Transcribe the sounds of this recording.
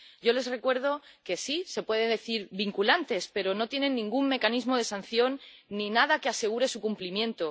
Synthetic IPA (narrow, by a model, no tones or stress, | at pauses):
ɟ͡ʝo̞le̞zre̞kwe̞ɾð̞o̞ke̞sise̞pwe̞ðeðe̞θiɾβiŋkulant̪e̞spe̞ɾo̞no̞t̪je̞ne̞nːĩŋɡumme̞kanizmo̞ð̞e̞san̟θjo̞nː | inaðake̞ase̞ɣ̞uɾe̞sukumplimjẽ̞nt̪o̞